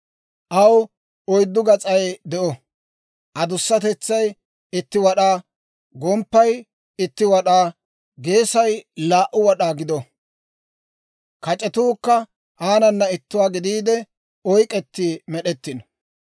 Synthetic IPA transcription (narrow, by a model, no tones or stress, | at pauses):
ʔɐw | ɔjd̪ːʊɡɐt͡sʼɐjd̪ɛʔɔ | ʔɐd̪ʊsːɐt̪ɛt͡sːɐj | ɪt̪ːɪwɐɗaː | ɡɔmpːɐj | ɪt̪ːɪwɐɗaː | ɡeːsɐjlaːʔʊwɐɗaːɡɪd̪ɔ | kɐt͡ʃʼɛt̪uːkːɐ | haːnɐnːɐɪt̪ːʊwaːɡɪd̪iːd̪ɛ | ɔjkʼɛt̪ːiːmɛɗɛt̪ːɪnɔ